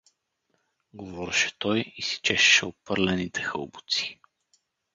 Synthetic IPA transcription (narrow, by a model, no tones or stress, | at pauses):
ɡovɔɾɛʃɛ̥t̪ɔjisi̥t͡ʃɛʃɛ̥ʃɛopɤɾlɛnit̪ɛxɤlˠbʊt̪si̥